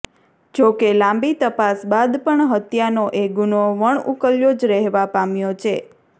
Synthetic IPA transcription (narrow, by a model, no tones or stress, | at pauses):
d͡ʒokelãmbit̪əpasbad̪pəɳɦət̪janoʔeɡunoʋəɳukəljod͡ʒɾɛɦʋapamjot͡ʃʰe